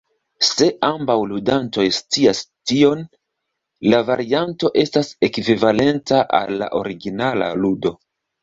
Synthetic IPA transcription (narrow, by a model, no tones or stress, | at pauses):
se̞ʔambawludanto̞jstiastio̞n | lavaɾianto̞ʔe̞stase̞kivivale̞ntaʔa̰lːa̰ʔo̞ɾiɡinala̰ludo̞